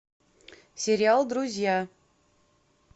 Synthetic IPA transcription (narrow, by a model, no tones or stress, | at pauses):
sʲɪɾʲɪalˠd̪ɾʊzʲja